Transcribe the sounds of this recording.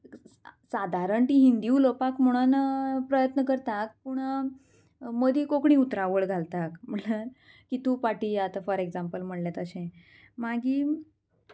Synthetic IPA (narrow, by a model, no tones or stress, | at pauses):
sad̪ʱaɾəɳʈ̪iɦind̪iulopakm̤əɽ̃ənpɾəjət̪nəkəɾt̪ak̚puːɳ | məd̪ʱiːkokɳĩːut̪ɾaʋəɭɡʱalt̪akm̤ələn | kit̪uːpaʈiat̪afəɾeɡd͡zampəlm̤əɽljat̪əɕẽ | maɡiː